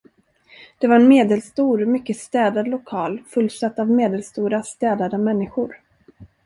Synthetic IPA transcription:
d̪̥ɛvaɾɛnmeːd̪ɛlst̪uːɾmʏkːəst̪ɛːd̪ad̪lʊkʰɑːlfɵlːsat̪ːavmeːd̪ɛlst̪uːɾast̪ɛːd̪ad̪əmɛnːɪɧʊɾ

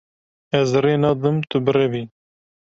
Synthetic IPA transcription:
ɛzreːnɑːd̪ɨmt̪ʰɨbɨrɛbiː

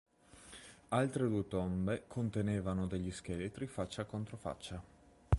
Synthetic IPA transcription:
alt̪ɾed̪uːet̪ombekʰont̪eneːvanod̪eʎːiskelet̪ɾifat͡ʃːakont̪ɾofa̰t͡ʃːa

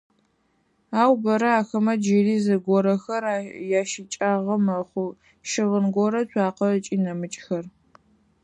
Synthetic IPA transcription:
aːwbɐɾɐaːxɐmɐd͡ʒɪriːzɐɡʷɔɾɐxɐrajaːʃit͡ʃʼaːʁɐmɐχʷʊ | ʃɪʁənɡʷɔɾɐɕʷʰʼaːqɐt͡ʃʼiːnɐmɨt͡ʃʼxɐr

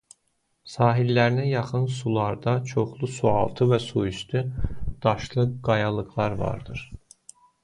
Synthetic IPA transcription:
sɑːɦilːæɾinæjɑχɯns̬ulˠɑɾd̪ɑt͡ʃʰo̞χlˠusuɑlˠt̪ʰɯvæsuiʃt̪ʰyd̪̥ɑʃlˠɯɡɑjɑlˠɯɣlˠɑɾvɑ̰ɾd̪ɯɾ̥

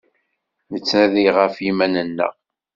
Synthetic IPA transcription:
nət͡sːnæðiʁəfimænənːə̰ʁ

